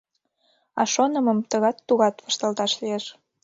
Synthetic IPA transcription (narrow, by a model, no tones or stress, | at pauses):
ɑ̰ʃonə̆mə̆mt̪əɣɑt̪ːuɣɑt̪βəʃt̪ə̆lt̪ɑʃlieʃ